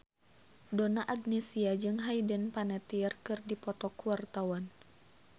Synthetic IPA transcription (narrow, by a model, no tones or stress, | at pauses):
donaʔaɡnɛsiad͡ʒɨŋɦaidənpanɛt̪iɛrkɨrdipɔt̪ɔkuwart̪awan